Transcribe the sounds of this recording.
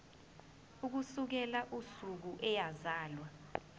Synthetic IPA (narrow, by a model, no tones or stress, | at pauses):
uk̬usuk̬ɛlaʔusuk̬uʔɛjazaːlwa